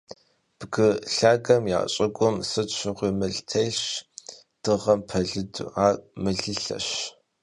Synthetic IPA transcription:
b̥ɡɨɬaːɡɐmja̰ːɕʼɐɡʷʼʊmsɨtɕʷɪʁʷiːmɨɮtʰɐɮɕ | d̥ɨʁɐmpʰɐɮɨdṵaːmɨɮɨɬɐ̰ɕ

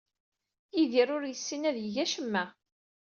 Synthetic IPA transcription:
iðiɾʊɾjəsːinæðjəʝæʃəmːæ

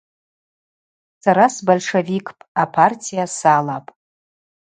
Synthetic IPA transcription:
saɾasbolʂevikʰʼpʼapʰartʰijasalapʼ

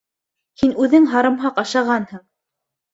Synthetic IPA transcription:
hinʉðɘŋɦɑɾɤ̆mɦɑqɑʃɑʁɑnhɤɴ

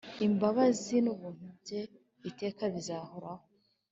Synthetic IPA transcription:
imbaβazinuβuːn̥hub̚ɟe̞ | ite̞ːkaβizaːho̞ɾaho

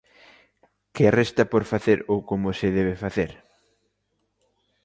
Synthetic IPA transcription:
kɪarest̪ɐpoɾfaθeɾokomosɪðɛβ̞efaθeɾ

